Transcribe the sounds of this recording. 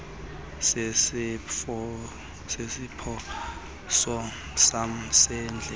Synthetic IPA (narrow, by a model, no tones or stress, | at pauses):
sɛsɔ | sesipʰɔ | sɔ | sam̩sɛːnd͡ɮʱɛ